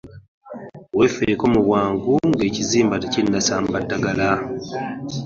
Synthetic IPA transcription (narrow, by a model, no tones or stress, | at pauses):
we̞feɾko̞ːmuβwaːŋɡuŋɡe̞ːciziːmbatecinːasaːmbatːaɡala